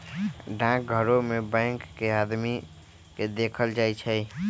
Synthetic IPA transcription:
ɖãk̚ɡʱəɾomebãɪ̃ŋkːead̪mi | ked̪ekʰəld͡ʒajt͡ʃʰəj

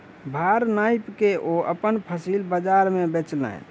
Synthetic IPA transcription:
bʱaɾnajpkeʔoə̰pənpʰəsilbəd͡ʒaɾmebet͡ʃlə̰n

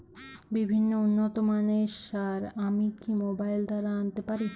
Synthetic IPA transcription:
bibʱinːounːot̪omaneʃaɾamikimobajld̪aɾaant̪epaɾi

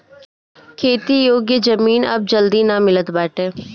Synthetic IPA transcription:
kʰeːt̪iːjoːɡjəd͡ʒəmiːnɐ̰b̚d͡ʒəld̪iːnamɪlət̪baːʈɛː

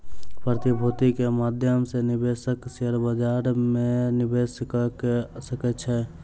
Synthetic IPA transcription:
pɾət̪ibʱut̪ikemad̪ʱjəmsenibesəkseəɾbəd͡ʒaɾmenibeskəkesəkɛt͡ʃʰɛ

